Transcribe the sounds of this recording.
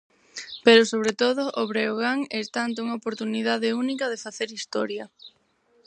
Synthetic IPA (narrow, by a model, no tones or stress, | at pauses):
peɾʊsoβɾet̪oðʊʔoβɾeoɣ̞aŋɛst̪ant̪ʊuŋaopoɾt̪uniðaðeunikɐðefaθeɾist̪ɔɾjɐ